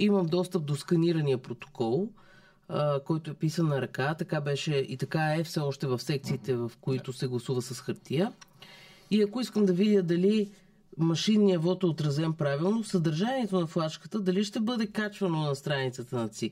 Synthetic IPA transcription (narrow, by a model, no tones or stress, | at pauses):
iməmd̪ɔst̪əp̚d̪oskɐniɾɐnijəpɾot̪o̥kɔlˠ | kɔjt̪oɛpisənːɐɾɐkat̪ɐkabɛʃɛit̪ɐkaɛfsɛɔʃt̪ɛvɐfsɛk̚t̪siːt̪ɛvɐfkoit̪ʊsɛɡlˠɐsuvəsəsxɐɾt̪ijə | iɐkoiskəmd̪ɐvid̪ʲjəd̪ɐli | mɐʃinːiɐvɔt̪ɛot̪ɾɐzɛmpɾavilˠnosəd̪ɐɾʒaniɛt̪onɐflˠat͡ʃkə̥t̪əd̪ɐliʃt̪ɛbɤd̪ɛkat͡ʃvɐnonɐst̪ɾanit̪sət̪ənɐt̪sik